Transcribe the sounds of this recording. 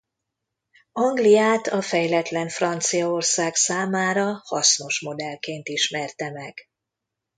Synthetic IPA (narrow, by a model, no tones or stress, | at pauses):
ɒŋɡlijaːt̪ɒfɛjlɛt̪lɛɱfrɒnt̪sijɒo̞rsaːksaːmaːɾɒhɒsno̞ʃmo̞d̪ɛlkeːnt̪iʃmɛrt̪ɛmɛɡ̥